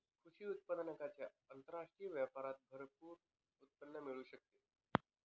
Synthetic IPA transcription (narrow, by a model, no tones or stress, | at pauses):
kʰuɕiːut̪̚pəd̪nəkat͡ɕja | ənt̪əɾaʂʈɾijəʋjəpaɾat̪̚bʱəɾpuːɾ | ut̪̚pənːəmiɭuːɕək̚t̪e